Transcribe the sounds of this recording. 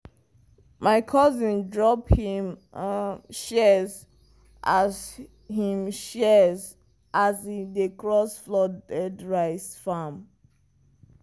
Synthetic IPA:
maɪkʰɔzĩndɹɔphim | ʃɛz | ʔaz | hĩmʃɛz | ʔazidekɹɔsflɔdɛdɹaɪsfam

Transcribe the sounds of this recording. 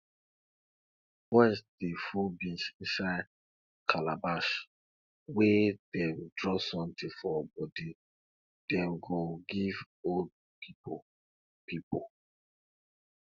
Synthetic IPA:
bɔsdifubĩʃʃa | kʰalabaʃ | wed̥ɛwidɹɔsɔ̃mtifɔbɔdi | d̥ɛwɡoɡiv | old̚ | pʰipo | pipo

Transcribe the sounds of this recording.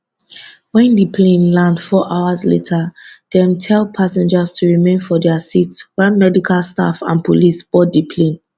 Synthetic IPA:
wɛ̃ndipʰlẽnlãndfɔʔaʊazlḛtʰad̥ɛ̃mtʰɛlˠpʰasɛ̃nd͡ʒastʰuɹimẽnfɔdɛasitswɛnmɛdikʰalsta̰fã̰npʰolisb̥ɔt̚dipʰlẽn

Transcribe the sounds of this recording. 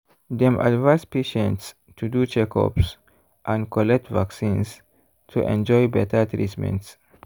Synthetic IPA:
d̪ɛ̃mʔa̰dvãspeʃɛ̃nts | tʰudut͡ʃɛkʰɔ̰ps | ʔãnkɔlɛk̚tvaksĩns | tʰuʔɛ̰̃nd͡ʒɔjbɛtʰət̪ɾitmɛ̰̃nts

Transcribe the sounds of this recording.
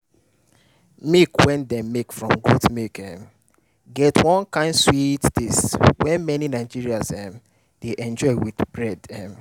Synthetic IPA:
mikwɛ̃ndɛmekfɹɔ̃mɡotmikɛ̃m | ɡɛtwɔ̃nkãɪ̃ndswittiswɛ̃nmɛninaɪd͡ʒiɹiazɛm | d̥eʔɛ̃nd͡ʒɔɪwidbɹɛdɛ̃m

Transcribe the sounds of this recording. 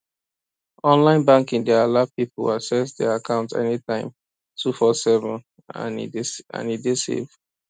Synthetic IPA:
ɔ̃nlãɪ̃nbãŋkĩndɛalapipə̰lasɛsdɛakʰãʊ̃ntɛ̰nitãɪ̃m | tʰufɔsɛvə̃n | ã̰niã̰nidesḛv

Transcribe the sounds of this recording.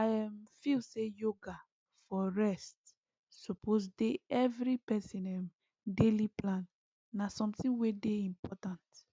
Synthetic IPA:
ajãmfilsejoɡa | fɔɹɛst | supʰozdeɛvɹipɛsĩnɛ̃m | deliplãnː | asɔ̃mtĩŋwedeĩmpʰɔtãnt

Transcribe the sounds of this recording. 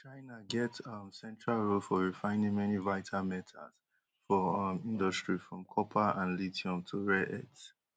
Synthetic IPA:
t͡ʃaɪnaɡɛtʌmsɛ̃ntɹalɹofɔɹifãɪ̃nĩŋmɛnivaɪtʰamɛtʰa̰s | fɔmĩndɔstɹifɹɔ̃mkʰɔpʰaãnlitʰiɔ̃mtʰuɹɛɛts

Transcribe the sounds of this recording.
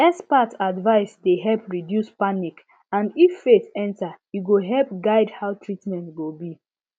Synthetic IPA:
ɛspatadvaɪsdeɦɛlpɹidjuspanik | ãndifːetɛ̃ntajuɡoɦɛlp̚ɡaɪdhaʊtʰɹitmɛ̃ntɡobi

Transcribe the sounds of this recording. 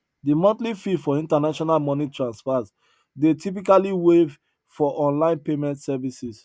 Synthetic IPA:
dimɔ̃ntlififɔĩntanaʃɔnalmɔnitʰɹãnspaz | detʰip̬ikaliwev | fɔʔɔ̃nlãɪ̃npemɛ̃ntsɛvisis

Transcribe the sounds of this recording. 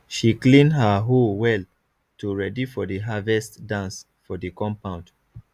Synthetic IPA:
ʃiklĩnɦaɦolwɛl | tʰuɹɛdifɔdəɦavɛstdãns | fɔdikɔ̃mpãʊ̃nd

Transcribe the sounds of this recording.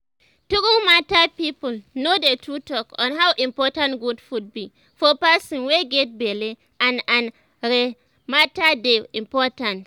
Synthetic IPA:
tukumatapipulnodetʰɹutɔkɔ̃nɦawʔĩmpɔtãntɡudfud̚bi | fɔpasɔ̃nweɡɛt̚beli | ʔãnãn | ɾe | matadeĩmpɔtãnt

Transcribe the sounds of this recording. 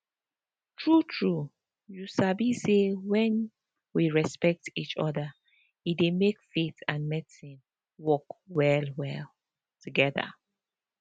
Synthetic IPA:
tʰɹutʰɹu | jusabisewɛ̃n | wiɹɛspɛk̚tit͡ʃɔða | idemekfetãnmɛdisĩn | wɔkwɛlwɛl | tʰuɡɛða̰

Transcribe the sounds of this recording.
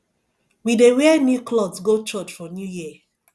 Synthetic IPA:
widewɛɛnjuklɔdsɡot͡ʃɔt͡ʃfɔnjujiə

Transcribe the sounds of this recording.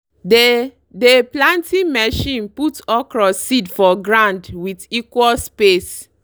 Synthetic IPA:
de | deplãntʰĩmɛʃĩnputɔkɹɔsidfɔɡɹãndwitikwɔlspes

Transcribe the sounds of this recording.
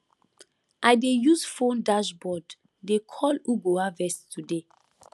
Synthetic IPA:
ʔajdejusfõndaʃbɔdː | ekʰɔluɡoavɛstʰude

